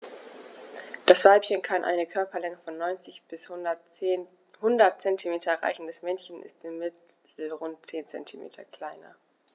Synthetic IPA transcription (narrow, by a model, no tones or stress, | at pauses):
d̥asv̥aɪpçənkʰanʔa̰ɪnəkʰœɐpɐlɛŋəfɔnːɔʏnt͡sɪçb̥ɪs | hʊndɐt̚t͡sɛntʰimeːtʰɐʁa̰ɪçn̩dasmɛnçənʔɪ̰stɪmːɪt | l̩ʁʊnt̚t͡seːnt͡sɛ̰ntʰimḛːtʰɐkl̥aɪnɐ̰